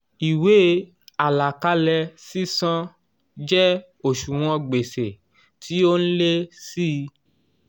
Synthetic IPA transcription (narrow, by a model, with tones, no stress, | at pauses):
i˨we˨˦ | a˨la˨ka˧lɛ˧si˦sã˦ | d͡ʒɛ˦ | o˦˨ʃu˨w̃ɔ̃˧ɡ͡be˨se˨ | tʰi˨˦o˦n̩˦le˦si˦˧